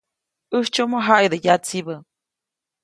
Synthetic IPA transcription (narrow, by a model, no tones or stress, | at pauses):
ɨht͡ʃomoɦajd̪ɨjat͡sibə